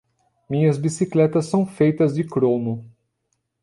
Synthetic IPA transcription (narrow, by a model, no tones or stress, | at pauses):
mĩɲɐzbisiklɛt̪ɐsːɐ̃w̃fejt̪ɐzd͡ʒɪkɾõnʊ